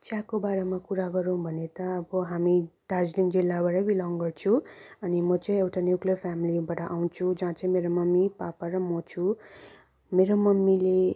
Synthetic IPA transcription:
t͡ʃjãkobaɾemakuɾaɡʌɾũbʱʌnet̪ʌʌbʌɦamid̪ad͡zlind͡zilːabaɾʌbilʌŋɡʌrt͡sʰuʌnimʌt͡sʌ̃ĩewʈanjukliʌpʰjamilibaʈʌʔaw̃t͡sʰud͡zãt͡sʌĩmeɾomʌmːipapaɾʌmʌt͡sʰu | meɾomʌmːile

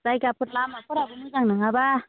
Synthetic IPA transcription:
z̥ajɡapʰut̚lamapʰuɾabɯnɯzaŋnɯŋaba

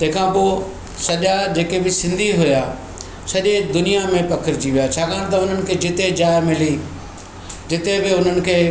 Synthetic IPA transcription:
t̪ɐ̃ɦɪ̃kʰãpoː | sɐʄad͡ʑeːkebɪsɪ̃nd̪ʱiɦʊjaː | sɐʄed̪ʊnijamẽpɐkʰəɾd͡ʑiʋijat͡ɕʰaːkʰaːɽ̃t̪ɐʊn̤ənɪ̆kʰeːd͡ʑɪt̪ed͡ʑaːemɪli | d͡ʑɪt̪ebɪʊn̤ənɪ̆kʰeː

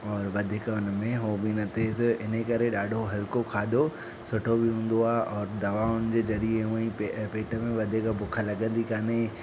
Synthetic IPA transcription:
ɔːɾʋɐd̪ʱɪkəʊn̆mẽɦobinɐt̪ʰesʔɪnəkɐɾeɗaːɖʱoɦɐlkokʰaːd̪o | sʊʈʰobɪɦũːn̆d̪oaːɦʔɔːɾd̪ɐʋaːʊnd͡ʑeːzɐɾieɦũːəĩpepeːʈəmẽʋɐd̪ʱɪkabʊkʰəlɐɠə̃nd̪ikaːne

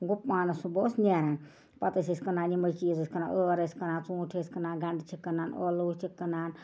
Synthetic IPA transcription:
ɡupmaːnɐsuboːsnʲeːɾaːn | pɐt̪ɐsʲisʲkɐnaːnimɐt͡ʃiːzɐsʲkɐna̰ːʔoːɾɐsʲkɐnaːnt͡sũːʈʰesʲkɐnaːnɡɐɳɖt͡ʃʰikːɐnaːnoːloːt͡ʃʰikːɐnaːn

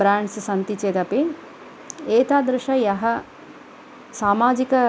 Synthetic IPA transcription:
bɾaːɳɖssɐnt̪it͡ʃeːt̪ɐpi | eːt̪aːd̪ɾɪʃɐjɐɦɐ | saːmaːd͡ʒikɐ

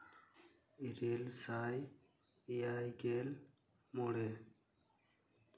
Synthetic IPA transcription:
iɾelsaːj | ijajɡeːl | moɽe

